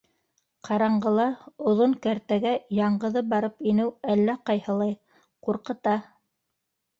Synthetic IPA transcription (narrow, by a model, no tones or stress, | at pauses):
qʰɑɾɑɴɢɤ̆lˠɑŏðoŋkæɾt̪æɡæjɑɴɢɤ̆ðɤbɑɾɤpinɘwælːæqɑjhɤ̆lˠɑj | quɾqɤ̆t̪ɑ